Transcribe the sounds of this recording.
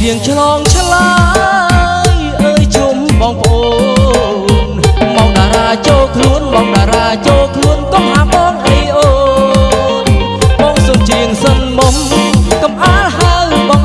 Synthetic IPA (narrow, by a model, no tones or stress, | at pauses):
iəŋt͡ɕʰlɑːŋt͡ɕʰla | jʔəːjt͡ɕumɓɑːŋpə̆ʔoː | nmaŋɗaːɾaːt͡ɕoːlkʰluənmaːŋɗaːɾaːt͡ɕoːlkʰluənt̪okʔaːɓɔːŋʔeːʔoː | n | ɓɑːŋsoːmt͡ɕiəŋsənmomkɑmʔaːlhaəjɓɑːŋ